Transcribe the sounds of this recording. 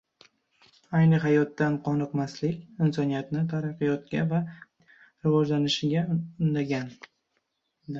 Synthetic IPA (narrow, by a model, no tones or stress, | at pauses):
ajnɪɦajɒt̪ːanqʰɒnɨqmaslɪkʲɪnsɒnijat̪nɪt̪ʰaɾɑqːɨjɒt̪ɡʲava | ɾɪvɒd͡ʒlanɪʃɪɡʲaʊnd̪aɡʲan